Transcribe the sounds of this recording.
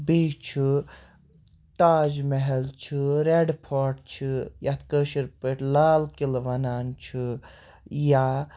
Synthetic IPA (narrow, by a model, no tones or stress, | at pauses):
beːt͡ʃʰi | t̪aːd͡ʒmeɦɛlt͡ʃʰɨɾeɖpʰaːʈt͡ʃʰijat̪kəʃiɾpəʈlaːlkilʋɐnaːnt͡ʃʰɨ | ja